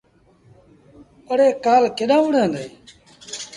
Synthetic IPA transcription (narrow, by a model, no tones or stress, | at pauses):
əɽeːkaːlkeːɗãːʋʊɽeənd̪eː